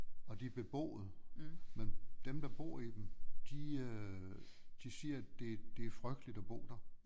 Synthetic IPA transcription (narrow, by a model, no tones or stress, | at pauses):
ɒ̽d̥ib̥e̝b̥ɔ̰ːð̩ˠmend̥emd̥ɑ̈b̥o̝̰ːid̥emd̥i | d̥isiɐd̥e̝d̥e̝æɐfʁœɡ̥d̥lid̥ɒb̥ɔ̰ːd̥ɐ